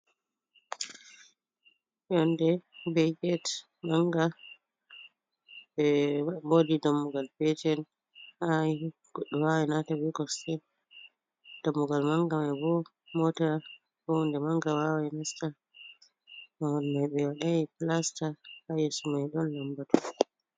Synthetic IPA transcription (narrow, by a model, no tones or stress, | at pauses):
jɔndɛbɛɡɛt | maŋɡa | bɛbodidamːuɡalpɛtɛn | hai | ɡ̥ɔɗːɔwawanatawikɔstɛ | d̥amːuɡalmaŋɡamajbɔ | mɔta | bɔndɛmaŋɡawawajnasta | mawɔnmajɓɛwaɗajiplastahajɛsumajɗɔnlambatu